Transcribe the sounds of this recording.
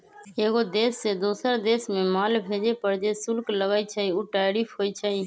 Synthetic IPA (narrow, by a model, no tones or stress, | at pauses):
eːɡod̪eːsːeːd̪oːsəɾd̪eːsmẽːmaːlbʱeːd͡ʒeːpəɾd͡ʒeːsʊlkləɡaːiːt͡ʃʰaːiːuːʈaːɾiːfʰɦoːiːt͡ʃʰaːiː